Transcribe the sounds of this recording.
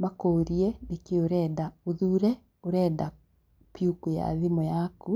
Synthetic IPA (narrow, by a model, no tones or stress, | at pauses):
makoːɾiɛnekeoɾɛːndaoðuːɾɛ | oɾɛːda | pjukuja̰ðimɔjaku